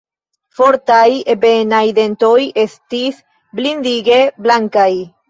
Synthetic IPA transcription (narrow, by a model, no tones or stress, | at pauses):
foɾt̪ajebenajd̪ent̪ojest̪is | blind̪iɡe̞blaŋkaj